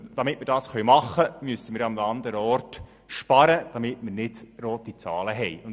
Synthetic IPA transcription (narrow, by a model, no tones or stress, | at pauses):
d̥ɑmɪtmɪɾdɑːsχœɥmɑχːəmyəsəmɪːɾɑmɑnd̪əɾəɔrt | ʃpɑɾəd̥ɑmɪtmɪɾnɪd̥ɾoːt̪it͡sɑːləɦɛɪʊn